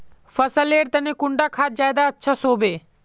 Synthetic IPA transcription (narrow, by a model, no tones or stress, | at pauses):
fɐsəleːɾt̪ɐnekʊɳɖakʰaːt̪̚d͡ʒaːjd̪aətːʃʰasoːbeː